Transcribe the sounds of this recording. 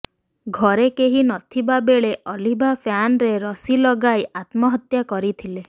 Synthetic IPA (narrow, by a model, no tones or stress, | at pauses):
ɡʱɔɾekeɦinɔt̪ʰibabeɭeʔɔlibʱapʰjanɾeɾɔsilɔɡajʔat̪mɔɦɔt̪jakɔɾit̪ʰile